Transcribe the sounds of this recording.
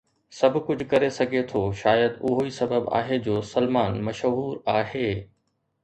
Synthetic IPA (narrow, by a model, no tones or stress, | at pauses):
sɐbʱʊkʊd͡ʑʱʊkɐɾesɐɡʱet̪ʰoːʃaːjəd̪ʊɦoisɐbəba̰ːɦed͡ʑoːsɐlmaːnmɐʃɦuːɾaːɦeː